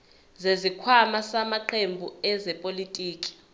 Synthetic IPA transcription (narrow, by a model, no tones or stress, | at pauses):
zezikʰwamasamaǃʰembʱuɛzɛpʼolitʼiːkʼi̥